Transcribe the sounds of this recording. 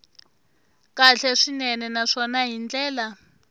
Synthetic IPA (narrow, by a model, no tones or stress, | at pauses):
kaɬɛʂinɛnɛnaʂɔnaɦind͡ɮɛːla